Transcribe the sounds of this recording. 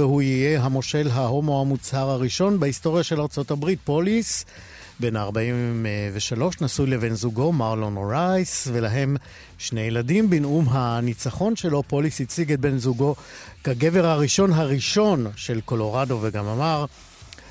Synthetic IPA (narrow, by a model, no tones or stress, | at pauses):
ehuijeɦamo̞ʃe̞lɦaɦo̞mo̞hamut͡shaʁhaʁiʃo̞nbehisto̞ʁjaʃe̞laʁt͡so̞tabʁit̚po̞lis | be̞naʁbaimveʃalo̞ʃnasujleve̞nzuɡo̞maʁlonoʁajsvelaɦe̞m | ʃne̞jeladimbinumɦanit͡saχo̞nʃe̞lo̞po̞lisit͡siɡet̚be̞nzuɡo̞kaɡe̞ve̞ʁhaʁiʃo̞nɦaʁiʃo̞nʃe̞lko̞lo̞ʁado̞veɡamamaʁ